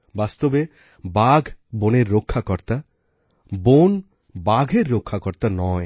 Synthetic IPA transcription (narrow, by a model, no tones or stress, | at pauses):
bast̪obe | baɡʱboneɾːokʰːakɔɾt̪a | bon | baɡʱeɾːokʰːakɔɾt̪anɔe